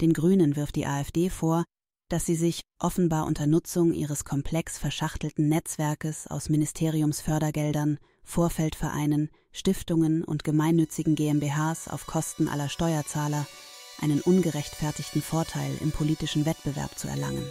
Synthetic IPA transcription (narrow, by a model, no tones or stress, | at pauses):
d̥eːnɡʁyːnənvɪɐft̚d̥ḭːʔaːɛfd̥eːfoːɐ | d̥asz̥iːzɪçʔɔfn̩baːɐʔʊ̰ntɐnʊt͡sʊŋʔḭːʁ̞əskʰɔmpʰl̥ɛksfɛɐʃaχtl̩tn̩nɛt͡sv̥ɛɐkəsa̰ʊsmɪnɪstʰeːʁ̞iʊmsfœɐɾɐɡɛldɐn | foːɐfɛltfɛɐʔa̰ɪnən | ʃtɪftʊŋənʊ̰ntɡ̥əmaɪnːʏt͡sɪɡŋ̩ɡeːɛmbeːɦaːsa̰ʊfkʰɔstn̩ʔa̰lɐʃtɔʏɐt͡saːlɐ | ʔaɪnənʔʊnɡəʁɛçtfɛɐtɪçtn̩foːɐtʰaɪlʔɪ̰mpʰoliːtɪʃn̩vɛtb̥əvɛ̰ɐpt͡suɛ̰ɐla̰ŋən